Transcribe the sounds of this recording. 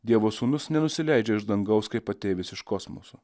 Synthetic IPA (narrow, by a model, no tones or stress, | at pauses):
d̪ʲiɛʋoːsuːnʊsnʲɛnʊsʲɪlʲæɪd͡ʒʲɛɪʒd̪ɐŋɡɐʊskɐɪpɐt̪ʲeːʋʲɪsɪʃkɔsmo̰so